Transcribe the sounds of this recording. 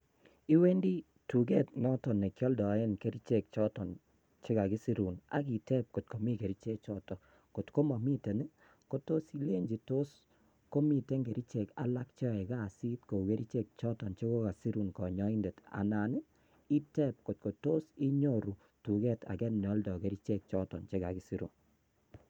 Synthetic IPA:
i˦we˦ndi˦ | tu˨ɡɛ˦t̚nɔ˦tɔ˨ne˨kjɔ˦ldɔ˨ɪ˦nke˦ɾi˦t͡ʃe˦˨k̚t͡ʃɔ˦tɔ˨n | t͡ʃɪ˦ka˨ɡɪ˦si˦ɾu˨na̰˨˦ki˨tɛ˦p̚ko˨t̚ko˨mi˦ke˨ɾi˦t͡ʃe˦k̚t͡ʃɔ˦tɔ˨ | ko˨tko˦ma˨mi˦te˨nɛ˦ | ko˦to˦si˦le˦ɲd͡ʒi˨to˦s | ko˦mi˨te˦ŋɡe˨ɾʔi˦t͡ʃe˨ka̰˨˦la˦k̚t͡ʃɔ˦ɛ˨ka˦˨si˦tko˨ke˦ɾi˦t͡ʃe˦˨k̚t͡ʃɔ˦tɔ˨nt͡ʃe˦ko˦ka˨si˦ɾu˨nkɔ˨ɲɔ˦i˦nde˨ta̰˨na˨nɪ˦ | i˦tɛ˦p̚ko˨t̚ko˨to˦si˦ɲo˦ɾu˨ | tu˨kɛ˦˨tʰa̰˨kɛ˦n˨ɔ˦ldɔ˨ke˦ɾi˦t͡ʃe˦k̚t͡ʃɔ˦tɔ̰˨nt͡ʃe˦ka˨ki˦si˦ɾṵ˨n

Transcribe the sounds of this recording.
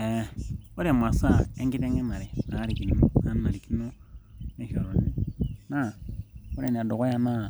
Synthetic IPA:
ɛ˨o˦ɾi˦a˨m˨a˨sa˦e˦ŋɡi˦tɛ˦ŋɡɛ˦ma˨ɾɛ˨a˨˦ɾi˨ki˨no˨a˨˦n˦a˨ɾi˨ki˦no˦e˦ʃo˨ɾo˨ni˨na˦˨o˦ɾe˨ni˨a˨do˨kɔ˦ja˦na˦˨

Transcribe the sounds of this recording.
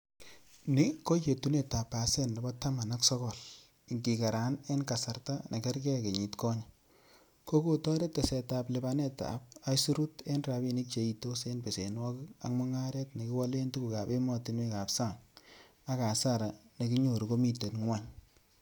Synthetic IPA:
ni˦ko˦t͡ʃe˨tu˦ne˦ta˨pːa˨sɛ˦nle˨bɔ˦ta˦ma˨na˦ksɔ˦kɔ˨l | i˨ŋki˨ka˨ɾa˨ne˦nka˨sa˨rta˦nʔe˨ke˦rkɛ˦ke˨ɲi˨tkɔ˦ɲa | ko˦ko˦tɔ˦ɾe˦te˨sɛ˨ta˨ple˨bane˦ta̰˨p̚a˦su˦ɾu˦te˦nra˨pe˨ni˦k̚t͡ʃe˨i˨to˦se˦npe˨se˨nwa˦ka̰˨kmɔ˦ŋa˦ɾɛ˦tne˨ki˦wa˦le˦ntu˦ku˨ka˨pe˦mɔ˦ti˦nwe˦ka˨psa˦˨ŋ | a˦ka˨sa˦ɾa˨ne˨ki˦ɲo˨ɾuko˦mi˦te˨tŋwa˦ɲ

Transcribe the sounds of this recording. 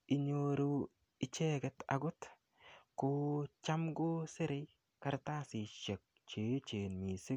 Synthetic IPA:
ɪ˨ɲo˨ɾu˦ | ɪ˨t͡ʃe˦ɡɛ˦ta̰˨ɡʊ˦t | kot͡ʃa˦mɡo˦se˦ɾe˦j | ka˨ɾta˦sɪ˨ʃe˨k̚ | t͡ʃe˨t͡ʃe˨nmi˨sɪ˦

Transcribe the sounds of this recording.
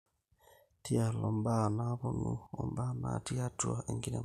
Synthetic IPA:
ti˦a˨lɔ˨mba˦˨na˦βo˦nu˨ɔ˨mba˦na̰˨ti˦a˦tu˦a˨e˨ŋɡi˦nḛ˨

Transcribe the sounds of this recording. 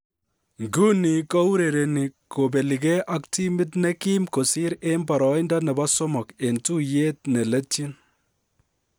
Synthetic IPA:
ŋɡu˦ni˨kɔ˦u˦ɾe˨ɾe˨ni˨ko˨be˨li˨kɛ˦ʔa˦k̚ti˦mɪ˦tnɛ˦ki˦mko˨si˦ɾe˦mba˨ɾɔ˨˦jnda˦nɛ˨ba˦so˦mɔ˨ke˨ntu˦je˦t̚ne˨le˦ti˦n

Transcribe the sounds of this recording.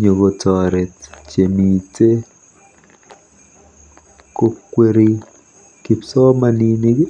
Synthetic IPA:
ɲo˨ɡo˨tɔɾɛ˨tt͡ʃe˨mi˨te˦ | ko˦kːwe˦ɾi˦ | ki˨psɔ˦manini˦

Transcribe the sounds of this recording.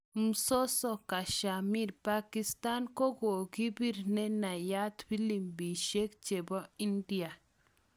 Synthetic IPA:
m̩˨so˦sɔ˨ka˨ʃa˨mi˦ɾpa˦ki˦st̪a˦nko˦ɡo˨ɡi˦bi˦ɾnɛ˦na˨ja˦t̪bi˦li˨mbi˨ʃe˦kt͡ʃe˨bɔ˦i˦ndi˦a˨

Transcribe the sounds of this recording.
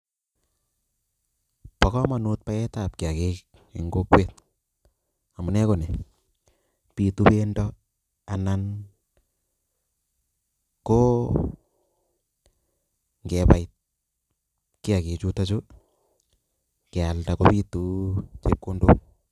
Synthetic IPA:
pɔ˨kɔ˦ma˨nu˦t̚pa˦ɛ˦ta˨p̚ki˨a˨kek̚ | ḛ˨ŋɡo˦kwe˦t̚ | a˨mu˨nɛ˦ko˨nɛ˨ | pi˨tu˦pe˦ndɔ˦ | a˨nan | ko | ŋɡɛpait̚ | kɪ˦a˨ki˨t͡ʃu˦ta˦t͡ʃo˦ | kɪ˨a˨ltakopi˦tu˦t͡ʃe˦p̚ko˦ndo̰˦k

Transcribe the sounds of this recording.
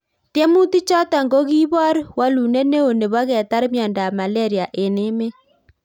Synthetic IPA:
tjɛ˦mu˦ti˦t͡ʃɔ˦ta˨ŋɡo˦ɣi˦βɔ˦ɾwa˦lu˨nɛ˦ne˦o˨ne˨βa˦ɣɛ˨ta˦ɾmjɔ˨nda˨ma˨lɛ˦ɾi˨a˨ʔe˨nɪ˦me˦

